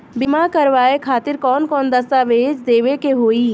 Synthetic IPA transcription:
bɪmakɐɾʋaːekʰaːt̪ɪɾkɔːnkɔːnd̪ɐst̪aːʋeːd͡ʒd̪eːʋekeɦoːiː

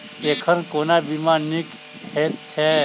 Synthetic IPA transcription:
ekʰənkoːnabimanik | het̪̚t͡ʃʰɛ

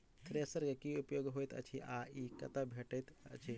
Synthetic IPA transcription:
t̪ʰəɾesəɾɡakiupjoɡɦojt̪ə̰t͡ɕʰiʔaikɐt̪abʱeʈəjt̪ə̰t͡ɕʰi

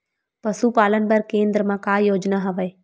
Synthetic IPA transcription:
pɐsupaːlənbɐɾkẽːnd̪ɾəmãkaːjoːd͡ʒnaɦɐʋəe

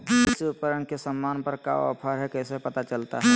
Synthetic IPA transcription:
ɪsiʊpəɾəɳkesəmːaːnpəɾka̰ɔ̰pʰəɾɦɛkɛːsepɐt̪at͡ʃəlt̪a̰ɦɛ

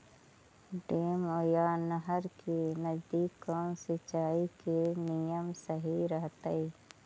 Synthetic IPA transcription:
ɖeːmojaːnəɦəɾkenəzd̪iːkːɔ̃ːnsɪt͡ʃaːikenijəmsəɦiɾəɦt̪əi

